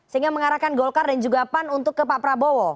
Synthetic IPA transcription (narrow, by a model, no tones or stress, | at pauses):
səiŋɡaməŋaɾakanɡɔlkardand͡ʒuɡapanunt̪ʊkːəpapɾabɔwɔ